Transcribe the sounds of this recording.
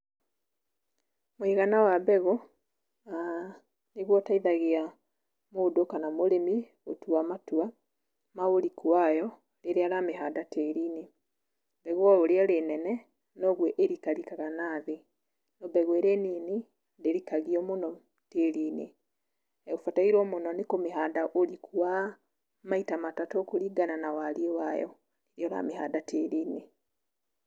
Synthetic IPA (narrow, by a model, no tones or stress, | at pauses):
moiɣanawabɛɣo | a | neɣwɔtaiðaɣea | moːdokanamoɾemi | otuwamatua | maoɾikuajɔ | ɾeɾeaɾameɦadateɾine | bɛɣwɔoɾeaɾenɛnɛ | noɣweʔeɾikalikaɣanaðe | nobeɣweɾeniːni | ndeɾikaɣiomuno | telini | eɣufataiɾwomunonikomiɦadaʔolikʰuwa | maitamatatokuɾiɡananawaliewajɔ̰ | iɾiala̰miha̰datʰeɾiːne